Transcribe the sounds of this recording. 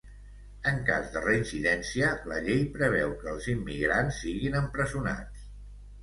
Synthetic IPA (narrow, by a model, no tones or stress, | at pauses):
əŋka̰zðərəinsiðɛnsiələʎejpɾəβ̞ɛwkəːlˠzimːiɣɾansːiɣinəmpɾəzuna̰